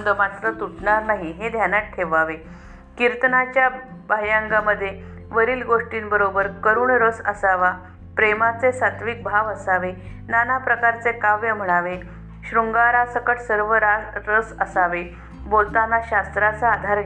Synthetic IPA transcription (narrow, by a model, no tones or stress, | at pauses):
d̪əmat̪ɾət̪uʈɳaɾnaɦiɦed̪ʱjanaʈʈʰːeʋaʋe | kiɾt̪nat͡ɕjabajãŋɡaməd̪ʱːje | ʋəɾiːlɡoʂʈiːnbəɾobəɾkəɾuːɳɾəsəsaʋa | pɾemat͡sesat̪ʋik̚bʱaʋəsaʋe | nanapɾəkaɾt͡sekaʋjəm̤əɽ̃aʋe | ɕɾuŋɡaɾasəkəʈsəɾʋəɾaɾəsəsaʋe | bolt̪anːaɕast̪ɾat͡saːd̪ʱaɾ